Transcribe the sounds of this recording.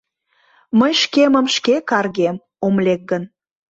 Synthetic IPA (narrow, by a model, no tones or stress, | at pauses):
məjʃkeməmʃkekɑrɣem | omlʲek̚ɡən